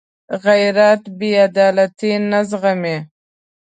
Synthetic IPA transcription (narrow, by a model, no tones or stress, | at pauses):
ɣajɾat̪bead̪ɑːlat̪inazɣame